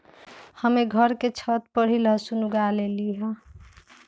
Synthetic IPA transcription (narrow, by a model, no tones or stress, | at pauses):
həmeɡʱʌɾket͡ʃʰʌt̪̚pəɽ̤ilʌsunuɡaleliɦʌ